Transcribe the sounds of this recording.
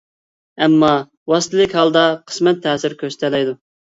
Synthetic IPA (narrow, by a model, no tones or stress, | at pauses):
ɛmːɑ | wɑst̪ɪlɪkʲhɑlˠd̪ɑqʰə̥smɛt̪ʰːɛːsɪɾkʲʰøst̪ʰɛlɛjd̪u